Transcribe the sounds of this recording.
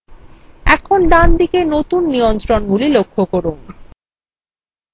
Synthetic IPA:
ɛkʰonɖand̪ikenot̪unːijont̪ɾonɡulilokʰːokoɾun

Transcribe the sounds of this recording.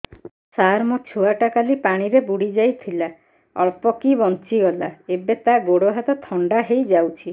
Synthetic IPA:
saɾmɔt͡ʃʰuaʈakalipaɽ̃iɾebuɽid͡ʒajt̪ʰila | ɔ̰ɭpɔkibɔnt͡ʃiɡɔlaebet̪aɡoɽoɦat̪ɔt̪ʰɔɳɖaɦejd͡ʒawt͡ʃʰi

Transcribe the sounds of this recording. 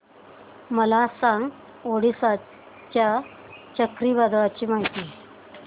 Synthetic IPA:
məlasãŋɡ | oɽisa | t͡ɕja | t͡ɕəkɾibad̪ʱʋat͡ɕiːmaɦit̪i

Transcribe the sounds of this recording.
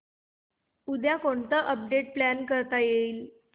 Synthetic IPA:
ud̪jakoɳt̪əʔəp̚ɖeʈ̚plænkəɾt̪ajeiːl

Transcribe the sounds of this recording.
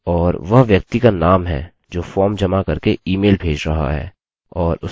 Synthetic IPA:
ɔːɾʋɐɦʋjɐk̚t̪ikanaːmɦɛ̰ː | d͡ʒoːfɔːɾmd͡ʒɐmakɐɾkeiːmeːlbʱeːd͡ʒɾɐɦa̰ɦɛ̰ː | ɔːɾʊ

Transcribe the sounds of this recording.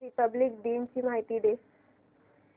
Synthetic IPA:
ɾipəblik̚ɖ̪iːnt͡ɕiːmaɦit̪iːd̪e

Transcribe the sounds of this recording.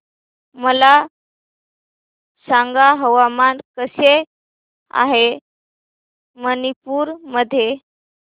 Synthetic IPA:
məla | sãŋɡaɦəʋamankəse | a̰ɦe | mənipuːɾməd̪ʱːje

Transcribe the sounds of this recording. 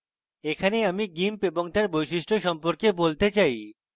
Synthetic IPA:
ekʰaneamiɡimpeboŋt̪aɾbojʃiʃʈʰoʃɔmpoɾkebolt̪et͡ɕaj

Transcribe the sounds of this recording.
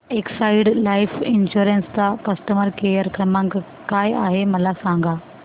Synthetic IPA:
eksaiɽlaːifʰɪnɕuɾẽnsd̪akɐsʈəməɾkejəɾkɾəmãŋk | kaːja̰ːɦemɐlasãŋɡa

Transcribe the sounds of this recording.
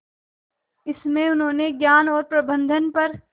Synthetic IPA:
ɪsmẽʊnɦõːneɡjaːnɔːɾpɾɐbə̃nd̪ʱənpɐɾ

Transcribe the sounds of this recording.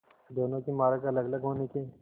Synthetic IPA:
d̪oːnõkimaːɾəkɐləɡləɡɦoːneke

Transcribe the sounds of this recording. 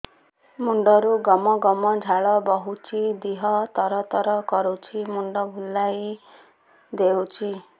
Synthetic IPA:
muɳɖɔɾuɡɔmɔɡɔmɔd͡ʒʱaɭɔbɔɦut͡ʃʰid̪iɦɔt̪ɔɾɔt̪ɔɾɔkɔɾut͡ʃʰimuɳɖɔbʱulːaj | d̪ewt͡ʃʰi

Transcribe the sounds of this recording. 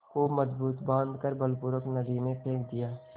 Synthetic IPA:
koməzbuːt̪bãːnd̪kəɾbəlpʊɾəknəd̪inepʰeːkʰd̪ijaː

